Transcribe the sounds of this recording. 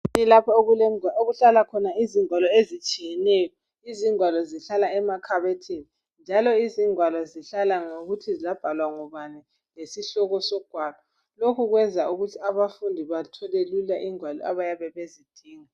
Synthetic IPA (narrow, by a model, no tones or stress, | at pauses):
nɛlapʰaloɣuɬalakʰɔnaiziŋwalɔezit͡ʃʼijɛnɛjɔ | iziŋwalɔziɬalaɛmakʰaβetʰini | nd͡ʒʱalɔiziŋwalɔziɬalaŋoɣutʰizizab̥ʱalwaŋɔβanɛ | lesiɬɔɣɔsɔɡ̥ʱwaːlʱɔ | lokʰuɣwɛnd͡zʱauɣutʰiaβafundʱiβatʰɔlelulaʔiŋwalɔ̰aβajaβɛβezid̥ʱiːŋa